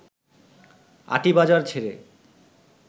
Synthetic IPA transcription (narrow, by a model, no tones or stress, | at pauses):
a̰ʈibad͡ʑaɾt͡ɕʰeɾe